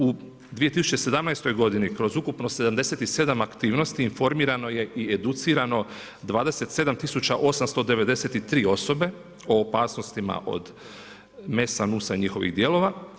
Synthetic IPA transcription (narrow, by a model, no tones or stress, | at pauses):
u | d̪ʋije̞t̪isu̥t͡ʃe̞se̞d̪amnajst̪o̞jɡo̞d̪inikɾo̞zukupno̞se̞d̪amd̪e̞se̞t̪ise̞d̪amakt̪iːʋno̞st̪iːnfo̞ɾmiːɾano̞je̞ʔied̪ut̪siːɾano̞ | d̪ʋaːd̪e̞se̞t̪se̞d̪amt̪isut͡ɕaʔo̞samst̪o̞d̪e̞ʋe̞d̪e̞se̞t̪it̪ɾiːo̞so̞be̞ | o̞ːpaːsnost̪ima̰ʔo̞̰d̪ | me̞sanusaɲixo̞ʋḭɣd̪je̞ːlˠo̞ʋa